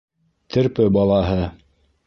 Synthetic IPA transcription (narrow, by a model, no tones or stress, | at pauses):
t̪ʰɘ̆ɾpɘbɑlˠɑɦɤ